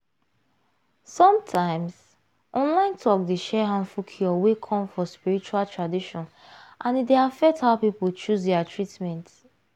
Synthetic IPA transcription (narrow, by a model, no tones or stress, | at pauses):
sɔ̃mtʰãɪ̃ms | ʔɔ̃nlãɪ̃ntʰɔkdeʃɛɦãnfukʰiɔwekʰɔ̃mfɔspiɹit͡ʃualtʰɹadiʃɔ̃n | ʔãnideafɛk̚thaʊpipolt͡ʃusdɛatɹitmɛ̃nt